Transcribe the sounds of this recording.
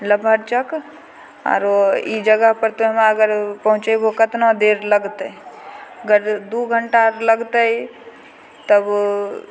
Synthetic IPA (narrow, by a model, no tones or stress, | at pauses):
ləbʱəɾt͡ʃək | a̰ːɾoid͡ʒəɡəɦpəɾt̪omeəɡəɾpɐɦʊ̃t͡ʃebokət̪nod̪eːɾləɡt̪ | əɡəɾd̪uːɡʱəɳʈaɾləɡt̪əi | t̪əb